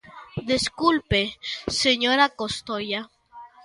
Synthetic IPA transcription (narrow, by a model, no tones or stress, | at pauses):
d̪eskulpeseɲoɾakost̪oja